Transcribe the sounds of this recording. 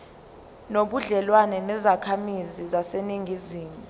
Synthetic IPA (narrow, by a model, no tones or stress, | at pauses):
noɓuɮɛlwanɛnɛzakʰamizizaseniŋɡiziːmu